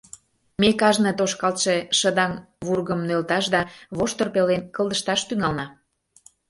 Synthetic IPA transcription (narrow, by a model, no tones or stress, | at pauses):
mekɑʒnĕt̪oʃkɑlt̪ʃeʃəd̪ɑmβurɣəmnølt̪ɑʃd̪ɑβoʃt̪orpelenkəlˠd̪əʃt̪ɑʃt̪yŋɑlnɑ